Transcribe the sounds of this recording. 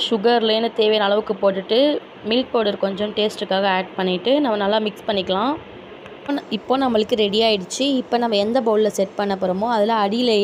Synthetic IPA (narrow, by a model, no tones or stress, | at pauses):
ʃʊɣɐɾlɐjɪnːɯt̪eːʋeːnɐlɐʋɯkːɯpoːʈːɯʈːɯ | mɪlk̚poːɽɐɾkɔɲd͡ʒɔ̃mʈeːsʈɯkːaːɣɐeːɖ̚pɐɳːɪʈːɯnɐmːɐnɐlːaːmɪkspɐɳːɪkːɐɭãː | oɪpːoːnɐmːɐɭɯkːɯɾɛɽɪjaːɪɽɯt͡ʃːɯɪpːoːnɐmːɐɛnd̪ɐboːllɐsɛʈpɐɳːɐpːɔɾɐmõɐðɪlãːɐɽɪjleː